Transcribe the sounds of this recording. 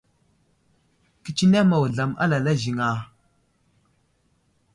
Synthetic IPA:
ki˨t͡ʃi˦na˦ma˨wɮa˨ma̰˦la˨la˦zi˨ŋa˦˨

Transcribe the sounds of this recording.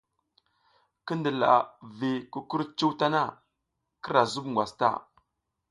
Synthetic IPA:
kə˦ndə˨la̰˨vi˨ku˦ku˦ɾt͡ʃu˦wta˦na˦ | kə˦ɾa˨zu˦bŋɡʷwa˨sta̰˦˨

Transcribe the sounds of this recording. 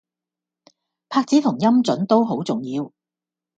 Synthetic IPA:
pʰaː˧k̚t͡siː˨˥t̪ʰʊ˨˩ŋjɐ˥mt͡sɵ˨˥nt̪o˥wɦo˨˥wt͡sʊ˨˩ŋjiː˧w

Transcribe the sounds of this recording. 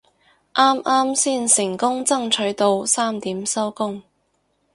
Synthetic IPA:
ʔaː˥mʔaː˥msiː˥˩nsɪ˨˩ŋkʊ˥ŋt͡sɐ˥ŋt͡ʃʰɵ˨˥t̪o˨˧wsaː˥mt̪iː˨˥msɐ˥wkʊ˥ŋ

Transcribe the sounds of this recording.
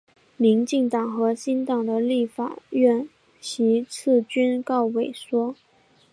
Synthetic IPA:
mi˧˥ŋt͡ɕi˥˩ŋt̪ɑ˨˩ŋxɤ˧˥ɕi˥nt̪ɑ˨˩ŋd̪ə˦li˥˩fa̰˨˩ɥɛ˥˩n | ɕʰi˧˥t͡sʰɹ̩˥˩t͡ɕy˥nkɑ˥˩ʊwe˨˩ɪʂwɔ˥

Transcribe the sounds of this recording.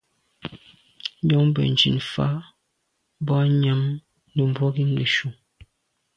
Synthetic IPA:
ɔ˦ŋ˦bə̰˨n̩˨d͡ʒḭ˨nfa̰˦ | bɔ˦ɲa˦m | nə˨m̩˨bwɔ˦ɡi˦ŋle˨ʃu˨ŋ

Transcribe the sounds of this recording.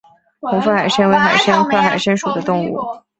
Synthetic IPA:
xʰʊ˧˥ŋfu˥˩xa˨˩ɪʂə˥nwe˧˥ɪxa˨˩ɪʂə˥nkʰɤ˥˩xa˨˩ɪʂə˥nʂu˨˩d̪ə˦t̪ʊ˥˧ŋṵ˥˩

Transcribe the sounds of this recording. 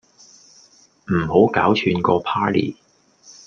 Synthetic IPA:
m̩˨˩ho˨˥wka̰ː˨˥wt͡ʃʰyː˨˧nkɔː˧pʰaː˥lḭː˨˩

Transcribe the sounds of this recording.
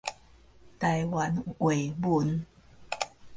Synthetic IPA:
t̪a˨˧˩jwa˨˦nwe˨˩ɪmu˨˦n

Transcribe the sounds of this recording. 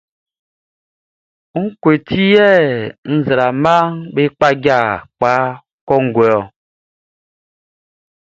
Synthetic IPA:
ŋ̩˦kwe˨ti˦jɛ˦˨n̩˦zɾa˨ma˦ŋbe˦k͡pa˦ɡa˦˨k͡pa˨˦ | kɔ˦ŋ̩˦ɡɛ˨ɔ˨

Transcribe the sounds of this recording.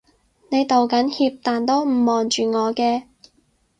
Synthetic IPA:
ne˨˧jt̪o˨˩wkɐ˨˥nhiː˧p̚t̪aː˨nt̪o˥wm̩˨˩mːɔː˨nt͡ʃyː˨ŋɔː˨˧kɛː˧

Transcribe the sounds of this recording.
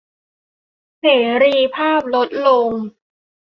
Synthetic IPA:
seː˩˦ɾiː˧pʰaː˥˩p̚lo˦˥t̪̚lo˧ŋ

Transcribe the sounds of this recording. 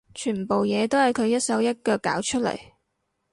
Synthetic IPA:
t͡ʃʰyː˨˩m˨po˨wjɛː˨˧t̪o˥whɐ˨jkʰɵ˨˧ɥjɐ˥t̚sɐ˨˥wjɐ˥t̚kœː˧kːa̰ː˨˥wt͡ʃʰɵ˥t̚lɐ̰˨˩j

